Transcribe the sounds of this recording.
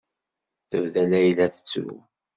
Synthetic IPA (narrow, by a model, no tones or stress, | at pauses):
θəvðælæjlæθə̥t͡sːṵ